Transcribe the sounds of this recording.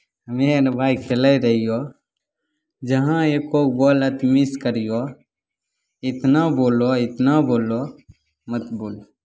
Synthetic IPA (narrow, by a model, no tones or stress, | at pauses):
ɦəmenbʱaːjkʰeləɾəɦijo | d͡ʒəɦãeːkoɡoːlət̪mɪskəɾijo | ɪt̪naboːloɪt̪naboːlo | mət̪buːl